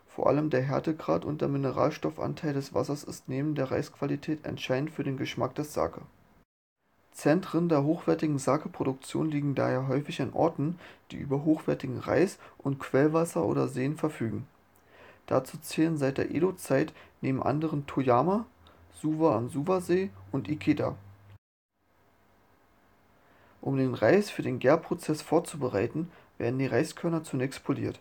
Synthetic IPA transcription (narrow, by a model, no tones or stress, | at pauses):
foːɐʔa̰ləmdeːɐɦɛɐtəɡʁa̰ːtʊ̰ntd̥eːɐmɪnəʁa̰ːlʃtɔfʔa̰ntʰaɪldɛsv̥a̰sɐsɪ̰stneːbm̩deːɐʁa̰ɪskv̥alitʰɛːtɛ̰ntʃaɪdn̩tfyːɐdeːnɡəʃma̰k̚d̥ɛɐsz̥a̰ːkʰə | t͡sɛntʁ̥əndeːɐɦoːxv̥ɛɐtɪɡŋ̩zakəpʁ̥odʊkt͡sjo̰ːnliːɡŋ̩da̰ːheːɐɦɔʏfɪçanʔɔ̰ɐtn̩d̥ḭːʔy̰ːbɐɦoːxv̥ɛɐtɪɡŋ̩ʁa̰ɪsʔʊntkʰv̥ɛlvasɐʔo̰ːdɐ̰zeːənfɛɐfyːɡŋ̩ | d̥a̰t͡suːt͡sɛːlənzaɪt̚d̥eːɐʔḛːdot͡saɪtneːbm̩ʔa̰ndəʁəntʰojaːma | z̥uːvaamzuːvazeːʔʊntʔikʰeːda̰ | ʔʊmdeːnʁaɪsfyːɐdeːnɡɛːɐpʁ̥ot͡sɛsfoːɐt͡subəʁaɪtn̩v̥ḛːɐdn̩diːʁaɪskʰœɐnɐt͡sunɛːkstpʰolḭːɐt